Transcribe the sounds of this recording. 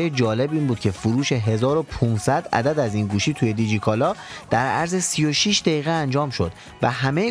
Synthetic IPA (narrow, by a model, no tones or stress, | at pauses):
jed͡ʒɒːle̞biːnbuːd̪̚cʰe̞fuɾuːʃe̞ɦe̞zɒːɾopʰuːnsæd̪ʔæ̰d̪æd̪æziːnɡuːʃiːt̪ʰuje̞d̪id͡ʒikʰɒlɒːd̪̥æɾʔæ̰ɾzesijo̞ʃiʃd̪æjiːɣeænd͡ʒɒːmʃo̞d̪̥ | væɦæme